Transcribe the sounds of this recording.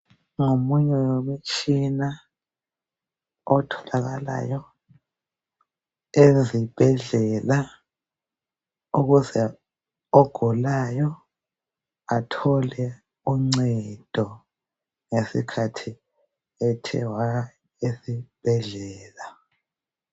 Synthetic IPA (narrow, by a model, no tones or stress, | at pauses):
ŋomuɲɛwomit͡ʃʼina | ɔtʰɔ̥laɣala̰jɔ | ezib̥ʱɛɮɛla | uɣuzɛ | ɔɡ̥ʱulajɔ | atʰɔlɛ | uŋ͡ǀɛd̥ʱɔ | ŋesḭkʰatʰi | ɛtʰɛ̰wa | ezib̥ʱɛɮɛːla